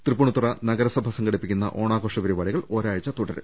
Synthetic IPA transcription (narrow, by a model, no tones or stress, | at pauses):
t̪rɨpːuɳut̪ːurɐnɐɣɐɾɐsɐbʱɐsɐŋɡɐɽipːikʲːunːɐ̰ʔo̞ːɳaːkoːʂɐʋɐɾuʋaːɭiɣɐɭo̞ːɾaːɻɐt͡ɕːɐt̪uɽɐɾɨ̰